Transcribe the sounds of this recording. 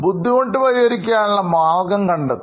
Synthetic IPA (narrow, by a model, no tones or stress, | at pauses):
bud̪ʱːiɣoɳɖɨʋɐɾiɐɾikʲːaːnuɭːɐmaːlɡɐmkɐɳɖɐ